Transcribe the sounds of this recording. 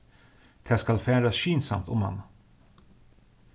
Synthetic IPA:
d̪̥ʰæskalfœɾɛnd̪ɾasɕyːnsa̰mt̪ɔma̰nː

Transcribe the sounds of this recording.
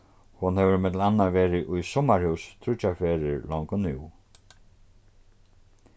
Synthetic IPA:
hʊnhɛʋəɾmɛt̪lanːaʋeːɾɪʔʊjsɔmaɹhʉwst̪ʰɾʊt͡ʃaɹfeːɾɪɹlɔŋkʊnʉw

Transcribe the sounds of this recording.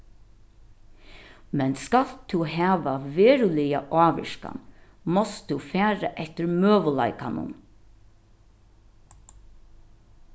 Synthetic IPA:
mɛnskalt̪ʰuɦæːʋaʋeːɾʉlɪjaʔɑːʋɪ̰ʃka̰n | mɔst̪ufæːɾa̰ʔɛht̪əɹmøːʋəla̰ɪkanʊ̰n

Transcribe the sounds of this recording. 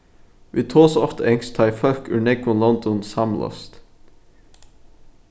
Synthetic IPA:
ʋiːt̪ʰoːsɑft̪əɛŋst̪ʰɑɪfœɾkʉ̰ːɳɛɡʊnlɔnd̪ɔnsɑmlʔɑ̰st̪

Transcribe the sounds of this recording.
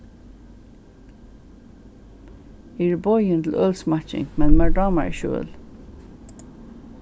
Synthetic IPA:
iɹbɔʏənt̪l̩ʔœlsmɑt͡ʃɪ̰ŋmɛnmæɹɖɑməɹḭːʃø̰ːl

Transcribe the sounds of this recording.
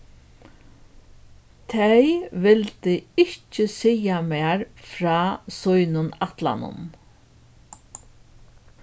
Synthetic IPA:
t̪ʰejʋɪlt̪ɪɪht͡ʃəsɛjameːɾfɾɑːsʊjnʊnat̪la̰nʊ̰n

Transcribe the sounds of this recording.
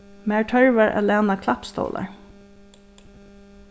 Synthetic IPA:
mæːɹʈʰœɹʋaɹʔa̰ːlæːnakʰlapst̪o̰ːlʔa̰ɹ

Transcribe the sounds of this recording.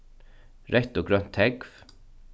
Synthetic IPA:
ɾɛt̪oːɡɾœnt̪ʰhɛɡf

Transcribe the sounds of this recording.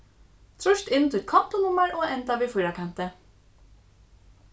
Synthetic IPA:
t̪ʰɾɔʃt̪ɪnːt̪ʰɪlkʰɔm̥t̪ʊnʊmːaɹɔːɛnt̪aʋiːfɔjɾakʰan̥t̪ə

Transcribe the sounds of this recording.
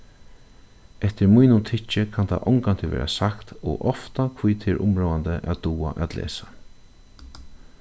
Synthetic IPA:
ɛht̪ɪɹmujnʊmt̪ʰɪt͡ʃːɪkʰant̪ʰa̰ʔɔŋkant̪ʰɪʋḛːɾʔasakt̪ɔːʔɔft̪akʰvujt̪ʰɪːɹʔʊ̰mɹoːand̪əʔad̪uːa̰ʔæt̪lḛːsḁ

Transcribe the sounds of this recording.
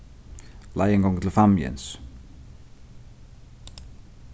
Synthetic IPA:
lajeŋɡɔŋt̪ʰɪlfamjɛ̰ns

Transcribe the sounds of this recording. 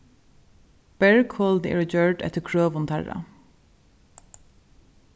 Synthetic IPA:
b̥ɛɹkhoːld̪ḛːɹd͡ʒøːɹɖɛ̰t̪əkʰɹøːʋʊnt̪ʰæɹɑ̰

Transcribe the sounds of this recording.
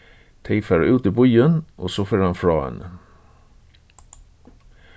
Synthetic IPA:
t̪ʰɛɪfaɾʉːt̪əbʊjənʔɔsɔføːɾanfɾɑːə̰n

